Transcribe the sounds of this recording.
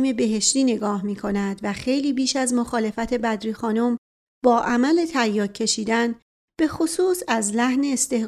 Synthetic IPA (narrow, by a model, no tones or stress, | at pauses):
me̞be̞ɦe̞ʃt̪iːne̞ɡɒːhmiːkʰo̞næd̪væxe̞jliːbiːʃæzmo̞xɒːle̞fæt̪ʰe̞bæd̪ɾiːxɒːnom | b̥ɒːʔæmæle̞t̪ʰæjːɒːcʰːe̞ʃiːd̪æn | b̥e̞xosuːsæzlæhne̞ːst̪e̞h